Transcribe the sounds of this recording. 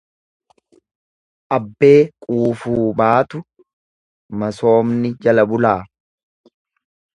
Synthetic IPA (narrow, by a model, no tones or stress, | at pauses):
ʔɐbːe̞ːkʼuːfuːbaːt̪ʊ | mɐso̞ːmnɪd͡ʒɐlɐbʊlaː